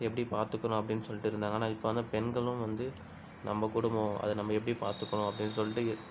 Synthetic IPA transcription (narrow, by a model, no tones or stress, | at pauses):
ɛpːɐɽipaːɾt̪ɯkːɐɳʊ̃ɐpːɐɽɪnːɯsɔlːɪʈːɯɪɾɯnd̪aːŋɡɐnãːɪpːoʋɐnd̪apɛnɡɐɭɯ̃mʋɐnd̪ɯ | nɐmːɐkʊɽʊmõɐ̰ðɯnɐmːɐɛpːɐɽipaːɾt̪ɯkːɐɳʊ̃ɐpːɐɽɪnːɯsɔlːɪʈːɯ